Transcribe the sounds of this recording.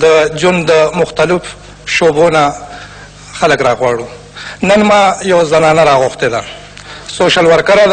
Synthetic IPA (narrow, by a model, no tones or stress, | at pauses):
d̪əd͡ʒwand̪d̪əmʊxt̪alɪf | ʃobona | xaləkɾɑɣwɑɽu | nənmɑjawzamɑːnaɾɑɣʊxt̪ed̪a | soʃalwaɾkaɾad̪